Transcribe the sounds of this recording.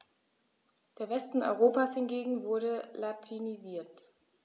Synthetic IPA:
d̥eːɐvɛstn̩ʔɔ̰ʏʁ̞oːpashɪnɡeːɡŋ̩vʊɐɾəlatʰiniziːɐt

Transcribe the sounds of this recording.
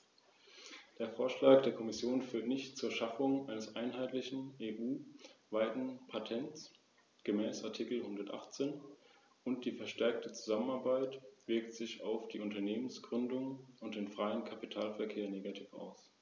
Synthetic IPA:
d̥eːɐfoːɐʃlaːk̚d̥eːɐkʰɔmɪsjoːnfyːɐtnɪçtt͡suːɐʃafʊŋʔaɪnəsʔaɪnɦaɪtlɪçn̩ʔeːʔuːvaɪtn̩pʰatʰɛnt͡s | ɡ̥əmɛːsʔaɐtʰikl̩hʊndɐtʔa̰χt͡seːn | ʊnt̚d̥iːfɛɐʃtɛɐk̚tʰət͡su̥zamənaɐbaɪtv̥ɪɐktz̥ɪça̰ʊfd̥iːʊntɐneːmənsɡ̥ʁʏndʊŋʊntd̥eːnfʁ̥aɪənkʰapi̥tʰaːlfɛɐkʰeːɐneːɡatʰiːfa̰ʊs

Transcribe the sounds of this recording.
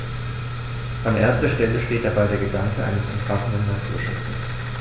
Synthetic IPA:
ʔanʔeːɐstɐʃtɛləʃteːt̚d̥abaɪdeːɐɡədaŋkəʔa̰ɪnəsʔʊmfasn̩dnːatʰuːɐʃʊt͡səs

